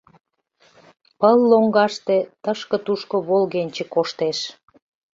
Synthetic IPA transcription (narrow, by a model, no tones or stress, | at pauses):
pəlːoŋɡɑʃt̪et̪əʃkə̆t̪uʃkoβolɣenʲt͡ɕĕkoʃt̪eʃ